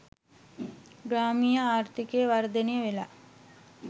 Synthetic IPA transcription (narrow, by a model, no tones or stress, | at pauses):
ɡɾaːmijəaːɾt̪ikeːʋaɾd̪enejəʋela